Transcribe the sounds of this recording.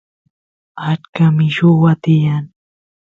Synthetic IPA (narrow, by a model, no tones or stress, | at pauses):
at͡ʃkamɪʃʊwat̪ɪjaŋ